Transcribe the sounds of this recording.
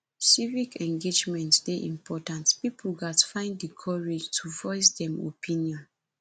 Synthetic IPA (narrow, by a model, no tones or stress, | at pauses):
sivikɛ̃ŋɡed͡ʒmɛ̃ntdeʔḭ̃mpʰɔtãntpipl̩ɡatfãɪ̃ndikʰɔɹed͡ʒtʰuvɔɪs̬dɛ̃mo̰pʰĩnjɔ̃n